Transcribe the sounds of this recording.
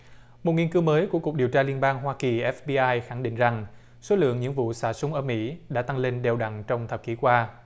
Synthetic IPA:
mo˨˩t̚ŋi˧nkɨ˨˦wməː˨˦jku˧˩əku˨˩k̚ɗi˨˩əwt͡ɕaː˧li˧ənɓaː˧ŋɦwaː˧ki˨˩ʔɛ˦˥fɓi˧ʔaː˧jxa˧˩ŋɗḭ˧˨ŋza˨˩ŋ | so˨˦lɨ̰˧˨əŋɲɨ̰˧˥ŋvṵ˧˨saː˧˩sʊ˨˦ŋ͡mʔəː˧˩mḭ˧˥ɗa̰ː˧˥t̪a˧ŋle˧nɗe˨˩wɗa̰˧˨ŋt͡ɕɔ˧wŋ͡mt̪ʰə˨˩p̚ki˨˦kwaː˧

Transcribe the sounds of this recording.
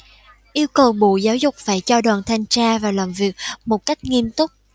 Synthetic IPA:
ʔi˧əwkə˨˩wɓṵ˧˨zaː˨˦wzʊ˨˩k͡p̚faː˧˩jt͡ɕɔ˧ɗwaː˨˩nt̪ʰa˧jŋt͡ɕaː˧vaː˨˩laː˨˩mvi˨˩ək̚mo˨˩t̚ka˦˥jk̟̚ŋi˧mt̪ʊ˦˥k͡p̚

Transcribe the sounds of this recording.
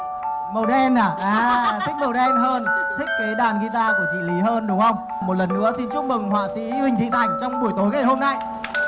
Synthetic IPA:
mə˨˩wɗɛ˧naː˨˩ʔaː˨˧˩t̪ʰï˦˥k̟̚mə˨˩wɗɛ˧nɦəː˧nt̪ʰï˦˥k̟̚ke˨˦ɗaː˨˩nɣi˧t̪aː˧ku˧˩ət͡ɕḭ˧˨li˨˦ɦəː˧nɗʊ˨˦ŋ͡mhə˧wŋ͡m | mo˨˩t̚lə˨˩nːɨ̰˧˥əsi˧nt͡ɕu˦˥t̚mɨ˨˩ŋhwa̰ː˧˨sḭ˧˥hï˨˩ŋ̟t̪ʰḭ˧˨t̪ʰa˨˧˩jŋ̟t͡ɕɔ˧wŋ͡mɓu˧˩əjt̪o˨˦jŋa˨˩jhɦo˧mna˧j

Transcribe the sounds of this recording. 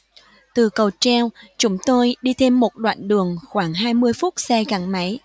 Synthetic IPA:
t̪ɨ˨˩kə˨˩wt͡ɕɛ˧wt͡ɕʊ˨˦ŋ͡mt̪o˧jɗi˧t̪ʰe˧mːo˨˩t̚ɗwa̰ː˧˨nɗɨ˨˩əŋxwaː˧˩ŋɦaː˧jmɨ˧əjfʊ˦˥t̚sɛ˧ɣa˨˩ŋma˨˦j

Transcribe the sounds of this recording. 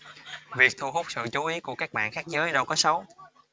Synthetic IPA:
vi˨˩ək̚t̪ʰu˧hu˦˥k͡p̚sɨ̰˧˨t͡ɕu˨˦ʔi˨˦ku˧˩kaː˦˥k̚ɓa̰ː˧˨nxaː˦˥k̚zəː˨˦jɗə˧wkɔ˨˦sə˨˦w

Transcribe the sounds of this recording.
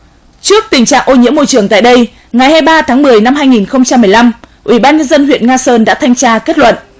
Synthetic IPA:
t͡ɕɨ˦˥ək̚t̪ï˨˩ŋt͡ɕa̰ː˧˨ŋʔo˧ɲḭ˧˥əmo˧jt͡ɕɨ˨˩əŋt̪a̰ː˧˨jɗə˧j | ŋa˨˩jhaː˧jɓaː˧t̪ʰaː˨˦ŋmɨ˨˩əjna˧mɦaː˧jŋi˨˩nxə˧wŋ͡mt͡ɕa˧mːɨ˨˩əjla˧m | ʔwʔi˧˩ɓaː˧nɲə˧nzə˧nhwḭ˧˨ənŋaː˧səː˧nɗa̰ː˧˥t̪ʰa˧jŋt͡ɕaː˧ke˦˥t̚lwə̰˧˨nʔ

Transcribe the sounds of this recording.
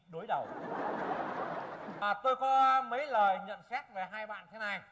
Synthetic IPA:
ɗo˨˦jɗə˨˩w | aː˨˩t̪o˧jkɔ˨˦mə˨˦jləː˨˩jɲə̰˧˨nsɛ˦˥t̚ve˨˩ɦaː˧jɓa̰ː˧˨nt̪ʰe˨˦na˧˩j

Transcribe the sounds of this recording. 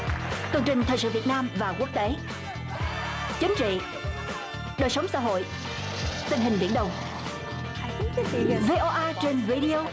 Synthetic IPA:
t̪ɨ˨˩əŋt͡ɕï˨˩ŋ̟t̪ʰəː˨˩jsɨ̰˧˨vi˨˩t̚naː˧mvaː˨˩ku˦˥ək̚t̪e˨˦ | t͡ɕï˨˦ŋ̟t͡ɕḭ˧˨ | ɗəː˨˩jsə˨˦wŋ͡msa̰˧˥˦ɦo̰˧˨j | t̪ï˧ŋ̟ɦï˨˩ŋ̟ɓḭ˧ənɗə˨˩wŋ͡m | ve˧ʔɔ˧ʔaː˧t͡ɕe˧nvi˧ɗi˧o˧

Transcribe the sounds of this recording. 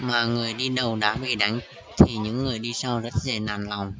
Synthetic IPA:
maː˨˩ŋɨ˨˩əjɗi˧ɗə˨˩wɗa̰ː˧˥ɓḭ˧˨ɗa̰˧˦jŋ̟t͡ɕ̚t̪ʰi˨˩ɲɨ̰˧˥ŋːɨ˨˩əjɗi˧saː˧wzə˦˥t̚ze˨˩na̰ː˨˩nla˨˩wŋ͡m

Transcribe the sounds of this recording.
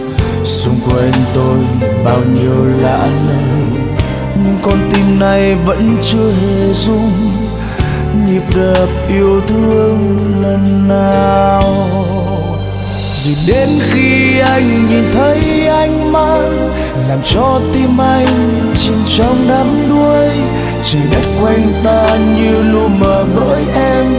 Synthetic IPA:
sʊ˨˧ŋ͡mkwe˧nt̪o˧jɓaː˧wɲi˧əwla̰ː˧˨ʔjna˨˩j | ɲɨ̰˧˥ŋkɔ˨˩nt̪i˧mna˨˩jvə̰˧˥nt͡ɕɨ˧əɦe˨˩zʊ˧ŋ͡m | ɲi˨˩p̚ɗə˨˩p̚ʔi˧əwt̪ʰɨ˧əŋlə˨˧˩nːaː˨˩w | zu˨˩ɗe˨˦nxi˧ʔa˧jŋ̟ɲi˨˩nt̪ʰə˨˦jʔa˧jŋ̟maː˧j | laː˨˩mt͡ɕɔ˧t̪i˧mʔa˧jŋ̟ | t͡ɕi˧nt͡ɕɔ˨˦wŋ͡mɗaː˨˦mɗu˧əj | t͡ɕi˨˩ɗə˦˥t̚kwɛ˧jŋt̪aː˧ɲɨ˧lu˧ənməː˨˩ɓə̰ː˧˥jʔɛ˧m

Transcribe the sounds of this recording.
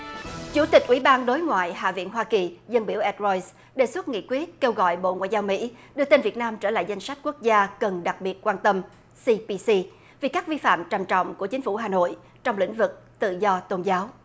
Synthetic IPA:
t͡ɕu˧˩t̪ï˨˩k̟̚ʔwḭ˧˩ɓaː˧nɗo˨˦jŋwa̰ː˧˨jɦa̰ː˧˨vḭ˧˨ənɦwaː˧ki˨˩zə˧nɓi˧˩wʔɛ˦˥t̚zɔ˧js | ɗe˨˩swə˦˥t̚ŋḭ˧˨kwi˦˥ət̚ke˧wɣɔ̰˧˨jɓo̰˧˨ŋwa̰˧˨jzaː˧wmḭ˧˥ɗɨ˧ət̪e˧nvi˨˩ət̚naː˧mt͡ɕəː˧˩la̰ː˧˨jza˧jŋ̟sa˦˥jk̟̚ku˦˥ək̚zaː˧kə˨˩nɗa˨˩k̚ɓi˨˩ət̚kwaː˧nt̪ə˧m | si˧pi˧si˧ | vi˨˩kaː˦˥k̚vi˧fa̰ː˧˨mt͡ɕa˨˩mt͡ɕɔ̰˧˨wŋ͡mku˧˩ət͡ɕï˨˦ŋ̟fu˧˩ɦaː˨˩no̰˧˨j | t͡ɕɔ˧wŋ͡mlḭ̈˧˥ŋ̟vɨ˨˩k̚t̪ɨ̰˧˨zɔ˧t̪o˧nzaː˨˦w

